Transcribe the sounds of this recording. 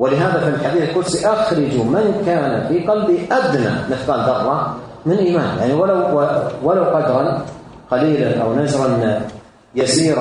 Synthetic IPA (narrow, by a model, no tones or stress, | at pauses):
wɪlɪɦaːðafilħad̪iːθɪlkʊd̪siʔaxɾˤɪd͡ʒumɪnkaːnafiqɑlbiʔad̪na̰mɪθqɑːld̪ɑɣːɑ | mɪnʔiːmaːnja̰ʕniwalawwalawqɑd̪ɾˤɑn | qɑliːlanʔa̰wnaʒɾˤɑn | jasiːɾ